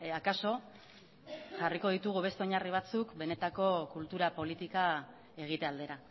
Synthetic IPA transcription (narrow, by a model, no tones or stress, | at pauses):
akaso̞ | ʝariko̞ð̞it̪uɣ̞uβe̞st̪eoɲariβ̞at͡sukbe̞ne̞t̪ako̞kult̪uɾapo̞lit̪ika | e̞ɣ̞it̪e̞ald̪e̞ɾa